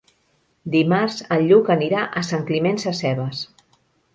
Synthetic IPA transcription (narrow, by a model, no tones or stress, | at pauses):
d̪imaɾz̥əlʎːukəniɾaʔəsaŋklimensasɛβəs